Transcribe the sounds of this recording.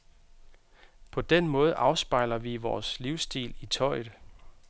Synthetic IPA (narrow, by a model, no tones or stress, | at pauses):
pʰɒ̽d̥enmɔ̽ːð̞̩ˠʔɑ̈ʊsb̥ɑ̈ɪ̰lɐʋiʋɒːsliʊsd̥ḭːlit͡sʰɒ̽ɪ̰ð̩ˠ